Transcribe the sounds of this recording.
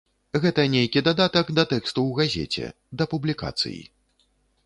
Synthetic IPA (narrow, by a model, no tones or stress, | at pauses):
ɣɛt̪ɐnʲejkʲid̪ad̪at̪ɐɡd̪ɐt̪ɛkst̪uwɣazʲḛt͡sʲɛ̰ | d̪ɐpublʲika̰t̪sɨ̰jḭ